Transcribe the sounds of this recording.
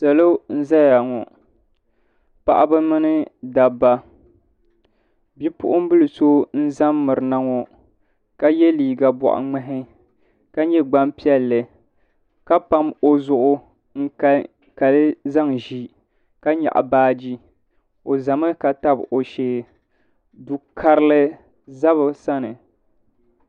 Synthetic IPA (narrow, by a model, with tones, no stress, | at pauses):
sa˨lo˦n̩˦za˦ja˨ŋɔ˨ | pa̰˨ʔa˦bɨ˦mɨ˦nɨ˦da˨ba˦ | bi˦pʊ̰˦ʔʊ˦m̩˦bɨ˦lɨ˨so˦n̩˦za˦mːɨ˨ɾɨ˨na˦ŋɔ˨ | ka˦jɛ˦liː˨ɡa˨bɔ̰˨ʔa̰˨ŋ͡mɛ˦ɦɪ˦ | ka˦ɲɛ˦ɡ͡ba˦mpi˦ɛ˦lːɨ˨ | ka˦pa˦mo˦zʊ˨ʔʊ˦ | ŋ̩˦k | ka˨lɨ˦za˦ŋʒi˦ | ka˦ɲa̰˨ʔa̰˨baː˦d͡ʒi˦ | o˨za˨mɨ˦ka˨ta˦bʔo˨ʃeː˦ | du˨kʰa˦ɾɨ˦lɨ˦ | za˦βɨ˨sa˦nɨ˨